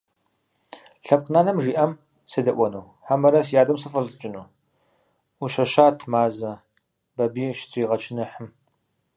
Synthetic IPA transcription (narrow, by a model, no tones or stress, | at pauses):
ɬɐp̚qnaːnɐmʐiːʔɐm | sɐdɐʔʷɔnɐw | ħamɐɾɐsjaːdɐmsɨfɐɮt͡ʃʼɪnuː | uʃɐʃaːtʰmaːzɐ | bɐbiːʃtʰʼiːʁɐt͡ʃʰɪnɨħəm